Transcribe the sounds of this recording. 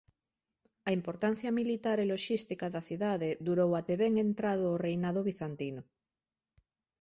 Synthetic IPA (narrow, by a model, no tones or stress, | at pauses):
ɐimpoɾt̪an̟θjamilit̪aɾeloʃist̪ikaðaθiðaðed̪uɾowat̪eβeŋẽnt̪ɾað̞oːrejnaðoβiθant̪ino